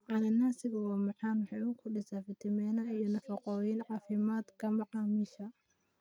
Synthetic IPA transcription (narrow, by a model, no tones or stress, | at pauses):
ʕɑnɐnasɪɣɐwɑːmɑħɑːnwɑħɑjʊkʰʊɗɪsafɪt̪ʰɐmɛnɐijɔnɐfɑqɔːjɪnʕɑːfɪmaːd̪kʰɐmɑʕɑːmɪʃɐ